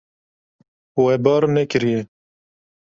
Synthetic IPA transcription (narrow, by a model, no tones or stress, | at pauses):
wɛbɑːɾnɛkɪɾijɛ